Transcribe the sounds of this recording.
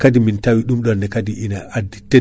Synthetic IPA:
kadimintawiɗumɗɔndɛkadiʔinaʔadite

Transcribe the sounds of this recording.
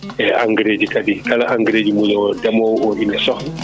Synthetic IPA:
ʔɛa̰ŋɡɾeːd͡ʒikadikala̰ʔaŋɡɾeːd͡ʒimuɲɔdɛmɔwɔʔinɛsɔ

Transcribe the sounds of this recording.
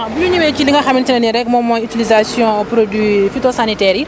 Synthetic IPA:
ãbuɲuɲumɛkiliŋɡɐxɐmintinɐniɾɛk̚mɔmɔytilizasjɔ̃pɾodifitosanitɛːɾi

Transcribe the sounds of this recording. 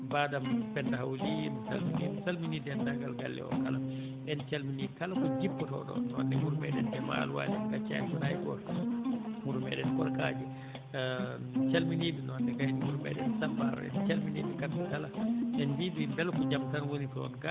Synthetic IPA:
baːdampɛndaɦawlimsalminimsalminidɛndaɡalɡalːɛ̰ɔ̰kala | ɓɛnt͡ʃalminikalakɔd͡ʒipːɔtɔ̰ɗɔ̰nwa̰nːdɛmuɾumɛ̰ɗɛndɛma̰luwa̰lɛnkat͡ʃa̰nkɔnajɡɔ̰ɾ | muɾumɛɗɛnkɔlkaːd͡ʒi | t͡ʃalminiːbinɔwandɛkahinimuɾumɛ̰ɗɛ̰nsambaɾɔ̰ɛ̰nt͡ʃalminiːbikatdukalaɓɛnbibibɛlkɔd͡ʒamtanwonitɔnɡa

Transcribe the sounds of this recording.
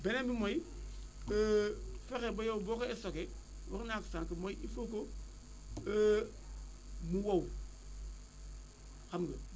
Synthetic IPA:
benebimoji | bəfekebojowbokoesoke | wṵknaksaŋkimojʔifoko | ə | muwow | kamɡə

